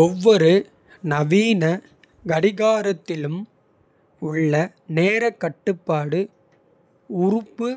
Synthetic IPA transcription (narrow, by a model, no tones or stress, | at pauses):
ɔʋːɔɾɯ | nɐʋiːnɐ | ɡɐɽɪɣaːɾɐt̪ːɪlɯm | ʊɭːɐ | neːɾɐkːɐʈːɯpːaːɽɯ | ʊɾʊpːɯ